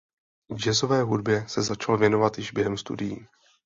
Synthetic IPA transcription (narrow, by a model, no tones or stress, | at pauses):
d͡ʒɛzo̞vɛːɦudbjɛsɛzat͡ʃalvjɛnovat̪jɪʒbjɛɦɛmst̪ṵdɪjiː